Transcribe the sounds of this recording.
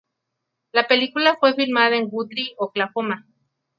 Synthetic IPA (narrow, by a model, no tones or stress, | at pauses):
lapelikulafwefilmaðaeŋɡut̪ɾioklahoma